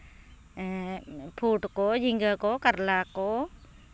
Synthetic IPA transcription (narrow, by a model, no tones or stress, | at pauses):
pʰuʈkod͡ʒiŋɡəkokaɾlako